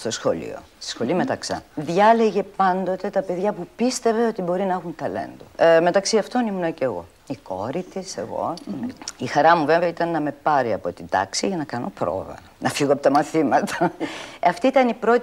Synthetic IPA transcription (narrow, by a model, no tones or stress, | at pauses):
st̪o̞sxo̞̰lḭo̞̰st̪i̥sxo̞lime̞t̪ɐksɐ̰nðʝɐle̞ʝe̞pɐnd̪o̞t̪e̞t̪ɐpe̞ðʝɐpupist̪e̞veo̞t̪ibo̞ɾinɐxunt̪ɐle̞̰nd̪ume̞t̪ɐksiɐft̪o̞nimunɐceːɣo̞̰ | iko̞̰ɾit̪ise̞ɣo̞̰ | ixɐɾɐmuveveit̪ɐnːɐme̞pɐɾiɐpo̞t̪ind̪̥ɐ̰ksiʝɐnɐkɐno̞pɾo̞̰ðɐ̰ | nɐfiɣoɐpot̪ɐmɐθimɐt̪ɐɐft̪iit̪ɐnipɾo̞t̪